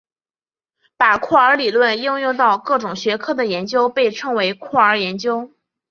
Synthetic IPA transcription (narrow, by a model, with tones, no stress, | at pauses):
pa˨˩kʰwɔ˥˩ə˞˧˥li˨˩lwə˥˧nji˥˧ŋjʊ˥˧ŋt̪ɑ˥˧ʊkɤ˥˩ʈ͡ʂʊ˨˩ŋɕɥɛ˧˥kʰɤ˥˩d̪ə˩jɛ˧˥nt͡ɕjo˥ʊpe˥˩ɪʈ͡ʂʰɤ˥ŋwe˧˥ɪkʰwɔ˥˩ə˞˧˥jɛ˧˥nt͡ɕjo˥ʊ